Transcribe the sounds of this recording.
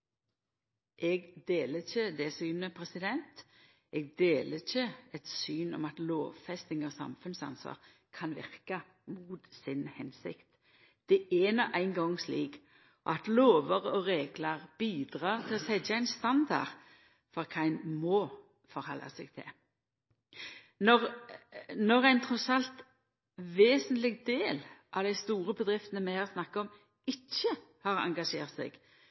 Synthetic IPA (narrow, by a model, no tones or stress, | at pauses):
ʔɛɡd̪eːləçəd̪ɛsyːnəpʰɾɛsɪd̪ɛnt̪ | ʔɛɡ̚d̪eːləɪçəɛt̪syːnɔ̰mɑt̪loːʋfɛst̪ɪŋɔsɑ̰mfʉnsɑ̰nsʋɑ̰ːʁ | kʰɑnʋɪ̰ʁkɑ | muːt̪sɪnhɛnsɪ̰kt̪ | d̪̥ɛɛnɔʔæɪŋɡɔŋsliːk | ʔɔ̰ɑt̪loːʋəʁəɔɾeːɡləʁb̥iːd̪ɾɑːʁt̪ʰɪlɔsɛəæɪnst̪ɑnd̪ɑ̰ʁ | fɔʁkʰɑɪnmɔː | fɔɾhɔlːɑ̰sɛɡ̥̚t̪ʰɪ̰ | nɔʁ | nɔɾæɪnt̪ʰɾɔsɑlt̪ | ʋeːsənt̪lɪɡd̪eːlʔɑʋd̪æɪst̪uːɾəbəd̪ʁɪft̪ənəmæɪhɑʁsnɑkːɑɔm | ɪçːəhɑɾɑ̰ŋɡɑʂeːʁt̪sɛ̰ɡ̥